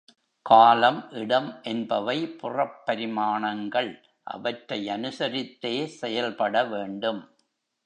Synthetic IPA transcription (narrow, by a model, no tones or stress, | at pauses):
kaːlɐmʔɪɽɐmʔɛnbɐʋɐɪpʊrɐpːɐɾɪmaːɳɐŋɡɐɭ | ʔɐ̰ʋɐʈɾɐɪɐnɯsɐɾɪt̪ːeːsɛjɐlpɐɽɐʋeːɳɖɯm